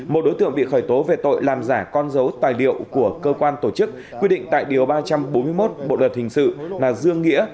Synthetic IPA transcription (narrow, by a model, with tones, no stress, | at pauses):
mo˨˩t̚ɗo˨˦jt̪ɨ̰˧˨əŋ̚ɓḭ˧˨xɔː˧˩jt̪o˨˦ve˨˩t̪o̰˧˨jlaː˨˩mzaː˧˩kɔ˧nzə˨˦wt̪aː˨˩jlḭ˧˨əwku˧˩əkəː˧kwaː˧nt̪o˧˩t͡ɕɨ˦˥k̚ːwi˧ɗḭ˧˨ŋ̟t̪a̰ː˧˨jɗi˨˩əwɓaː˧t͡ɕa˧mɓo˨˦nmɨ˧əjmo˦˥t̚ɓo̰˧˨lə˨˩t̚hï˨˩ŋ̟sɨ̰˧˨laː˨˩zɨ˧əŋːḭ˧˥ə